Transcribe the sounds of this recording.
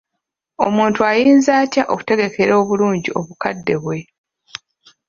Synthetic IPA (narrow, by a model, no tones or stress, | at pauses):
o̞muːntuajiːnzaːcaʔo̞ku̥te̞ɡe̞kʰe̞ɾo̞ːβuluːɲɟiʔo̞βukadːe̞βwe̞